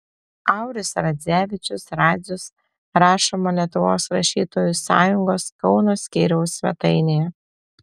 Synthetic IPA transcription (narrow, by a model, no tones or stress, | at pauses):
ɑˑʊɾʲʊsɾɐd̪ʲzʲæːʋʲɪt͡ʃʲʊsɾɑːd̪zʲʊs | ɾɑːʃoːmɐlʲiɛt̪ʊʋoːsɾɐʃʲiːt̪oːjʊsɑ̰ːjʊŋɡoːskɒʊnoːsʲkʲiːɾʲɛʊsʲʋʲɛ̰t̪ɐɪnʲejɛ